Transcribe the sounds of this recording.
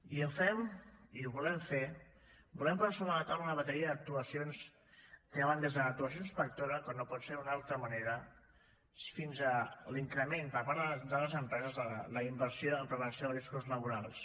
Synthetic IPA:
iəfɛmiuβulɛɱfe | bulɛmpzaɾsoβɾələt̪awlunəβət̪əɾiəðək̚t̪uəsions | kəβand̪ezðələk̚t̪uəs̬ionspək̚t̪oɾəkanːopɔt̪seɾunalˠt̪ɾəməneɾə | finzəliŋkɾəmenpəɾpaɾðəd̪ələzəmpɾɛzəzlələimbəɾsjoəmpɾəβənsjoðriskuzləβ̞uɾalˠs

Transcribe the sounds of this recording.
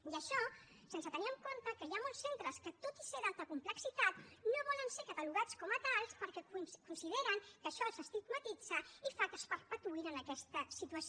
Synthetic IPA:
jəʃɔ | sensət̪əniəmkont̪əkəjamolˠssent̪ɾəskət̪ot̪iseðalˠt̪əkumpləksit̪at̪noβɔlənseɾkət̪əluɣ̞at͡skɔmət̪alˠspəɾkɛkunsiðeɾəŋkəʃɔlzəst̪it̪mət̪id͡z̥əifak̪əspəɾpət̪uiɾənəkɛst̪əsit̪uəs

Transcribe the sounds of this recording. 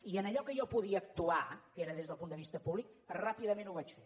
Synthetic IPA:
iənəʎɔkəjɔpuðiəːkt̪uakeɾəðezðəlˠpund̪əβist̪əpuβlik̚ | rapiðəmẽnuβat͡ʃfe

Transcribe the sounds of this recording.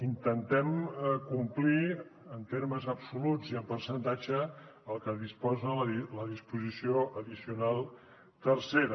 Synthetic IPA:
int̪ənt̪ɛmkumpliənt̪eɾməzəpsulud͡ziəmpəɾsənt̪ad͡ʒəəlˠkəðispɔzəlləðispuzisioʔəðisiunalˠ | t̪ərseɾə

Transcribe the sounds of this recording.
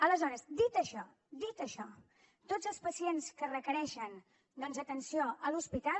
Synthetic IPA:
ələzɔɾəzd̪it̪əʃɔ | d̪it̪əʃɔ | t̪od͡zzəlˠspəsienskərəkəɾɛʃən | d̪ɔnzət̪ənsioʔəluspit̪a

